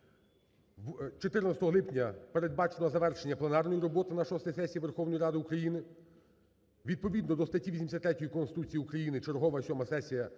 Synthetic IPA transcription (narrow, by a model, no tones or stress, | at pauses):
t͡ʃɔt̪ɪrnɐsʲt̪ɔɦɔlˠɪpnʲɐpe̞ɾe̞d̪̚bɑt͡ʃenɔzɐʋɛrʃenʲːɐplˠenɑrnɔjiɾɔbɔt̪ɪnɐʃɔst̪ɐjsɛsʲijiʋe̞rxɔwnɔjiɾɑd̪ɪukɾɐjinɪ | ʋʲid̪̚pɔʋʲid̪nɔd̪ɔst̪ɐtʲiʋʲisʲimsʲɐt̪ːɾɛtʲɔjikɔnsɪt̪ut͡sʲijiukɾɐjinɪt͡ʃeɾɦɔʋɐsʲɔmɐsɛsʲijɐ